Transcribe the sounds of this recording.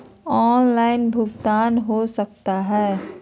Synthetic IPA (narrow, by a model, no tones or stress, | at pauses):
ɔːnlaːɪnbʱʊɡt̪aːnɦosɐk̚t̪aɦɛː